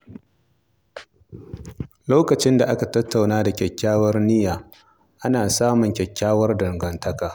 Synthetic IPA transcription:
loː˦kɐ˨t͡ʃɪ˦nda˨ʔa˦ka˨tɐ˦tʰːa˨wnaː˦da˨kʲɛ˨kʲːaː˦wɐ˦rnɪ˦jaː˨ | ʔa˦naː˨saː˦mʊ˨ŋkʲɛ˨kʲːaː˦wɐ˦rdɐ˨ŋɡɐ˨ntɐ˦kaː˨

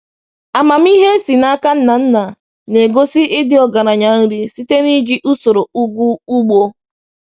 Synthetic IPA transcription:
a˨ma˨m̩˦i˦ɦe˦si˨na˦ka˦n̩˦na˨n̩˦na˨ | ne˨ɡo˦si˦ʔɪ˦dɪ˦ɔ˨ɡa˨ɾa˨ɲa˨n̩˦ɾi˦si˦te˦ni˦ɡi˦ʔu˦so˨ɾo˨u˦ɡʷu˦u˦ɡ͡bo˦

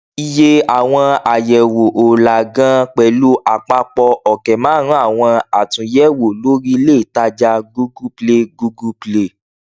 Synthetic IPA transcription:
i˧je˧a˨w̃ɔ̃˧a˨jɛ˨wo˨ʔo˨la˨ɡã˦k͡pɛ˨lu˦ʔa˨k͡pa˧k͡pɔ˧ɔ˨kɛ˨mãː˨˦ɾ̃ũ˦a˦˨w̃ɔ̃˧a˨tũ˨˧jɛ˦wo˨lo˨˦ɾi˦le˦i˨ta˧˦d͡ʒa˧ɡu˦ɡu˦ple˦ɡu˧ɡu˦ple˦

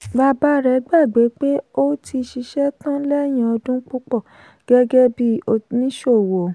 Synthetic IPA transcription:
ba˧ba˦ɾɛ˨˦ɡ͡ba˦˨ɡ͡be˨˦k͡pe˦o˦ti˧ʃi˧ʃɛ˦tɔ̃˦lɛ˦˨j̃ã˧ɔ˧dũ˦k͡pu˦k͡pɔ˦˨ | ɡ̥ɛ˦ɡɛ˦bi˦o˧nĩ˦ʃo˦˨wo˨

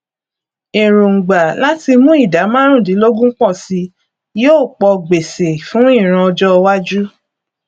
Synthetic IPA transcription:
i˨ɾ̃ũ˨ŋ̩˨ɡ͡ba˨la˦ti˧mũ˦i˦˨da˨˦mã˦ɾ̃ũ˦˨dĩ˨˦lo˦ɡũ˦k͡pɔ̃˦˨si˧˦ | joː˦˨k͡pɔ˧ɡ͡be˨se˨fũ˦i˦˨ɾ̃ã˧ɔ˧d͡ʒɔ˦˧wa˦d͡ʒu˦

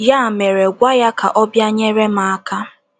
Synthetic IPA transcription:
ja˦˨me˨ɾe˨ɡʷa˦ja˦ka̰˨ʔɔ˦bja˦ɲe˦ɾe˦ma˨a˦ka˦

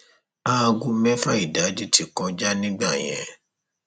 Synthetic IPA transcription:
a˦˧ɡu˧mɛ̃˦fa˦i˦˨da˨˦d͡ʒi˦ti˦˨kã˧d͡ʒa˦nĩ˦ɡ͡ba˦˨j̃ɛ̰̃˨

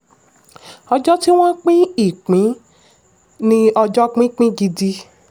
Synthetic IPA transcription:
ɔ˧d͡ʒɔ˦ti˦w̃ɔ̃˦k͡pĩ˦i˦˨k͡pĩ˨˦ | nĩ˧ɔ˧d͡ʒɔ˦k͡pĩ˦k͡pĩ˦ɡi˧di˧

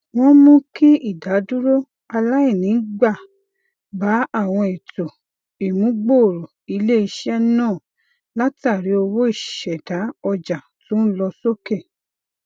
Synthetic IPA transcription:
w̃ɔ̃˦mũ˦ki˦i˦˨da˨˦du˦ɾo˦ | a˧la˦i˦˨nĩ˨˦ɡ͡ba˦˨ | ba˨˦a˦˨w̃ɔ̃˧i˨to˨ | i˨mũ˨˦ɡ͡bo˦˨ɾo˨i˧le˦i˧ʃɛ˦nãː˦˨ | la˦ta˦˨ɾi˨˦o˧wo˦i˦˨ʃɛ˨da˨˦ɔ˧d͡ʒa˨tũ˦lɔ˧so˦ke˦˨

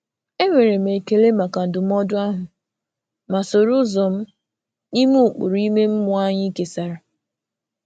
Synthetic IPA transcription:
e˦ŋʷe˨ɾe˨m̩e˨ke˨le˦ma˨ka˨n̩˨dʊ˨m̩˦ɔ˦dʊ˦a˦ɦʊ˨ | ma˨so˨ɾʊ˦zɔ˨m̩˦ | ni˦mu˦˨k͡pʊ̰˨ɾi˦me˦m̩˦mʊ˨a˦ɲɪ˦ke˨sa˨ɾa˨

